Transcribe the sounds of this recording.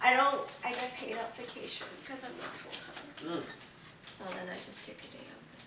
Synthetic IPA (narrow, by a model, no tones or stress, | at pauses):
ʔaɪɾõʊ̃ntʔaɪɡɛt̚pʰeɪɾʌpv̥ɨkʰeɪʃɨ̰̃nkʰʌzãɪ̃mnə̰tfɔ̰lˠtʰʌ̰̃ | soʊðɨ̃naɪd͡ʒʌstʰɪkɨdeɪʌ̰̃p